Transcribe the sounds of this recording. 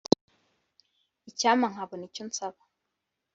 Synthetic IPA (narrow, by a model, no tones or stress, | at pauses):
icamaŋ̥aβonicunt͡saβḁ